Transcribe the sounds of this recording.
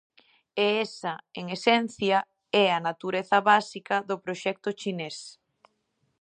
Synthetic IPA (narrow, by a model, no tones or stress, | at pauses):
eɛsaeŋesɛn̟θjɐ | ɛɐnat̪uɾeθɐβasikɐðʊpɾoʃɛk̚t̪ʊt͡ʃines